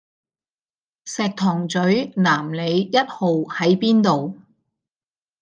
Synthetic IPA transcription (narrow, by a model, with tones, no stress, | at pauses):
sɛː˨k̚t̪ʰɔː˨˩ŋt͡sɵ˨˥ɥnaː˨˩mle˨˧jjɐ˥t̚ho˨whɐ˨˥jpiː˥nt̪o˨w